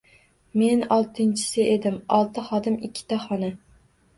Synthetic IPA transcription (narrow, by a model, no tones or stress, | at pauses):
me̞nɒlˠt̪ʰɪnt͡ʃʰɪ̥sɪʔed̪ɪmɒlˠt̪ʰɪχɒd̪ɪmɪkʲʰːɪ̥t̪aχɒna